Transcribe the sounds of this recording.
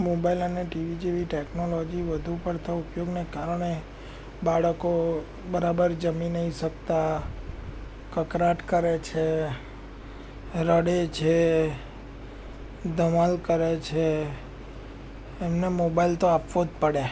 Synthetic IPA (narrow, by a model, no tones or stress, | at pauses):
mobailəneʈiʋid͡ʒeʋiʈeknolod͡ʒiʋəd̪ʱupəɽt̪ʰaupjoɡnekaɾɽ̃e | baɭəko | bəɾabəɾd͡ʒəminəiʃək̚t̪a | kəkɾaʈkəɾet͡ʃʰe | ɾəɽet͡ʃʰe | d̪əmalkəɾet͡ʃʰe | mnemobailt̪oapʋod͡ʒ̪pəɽe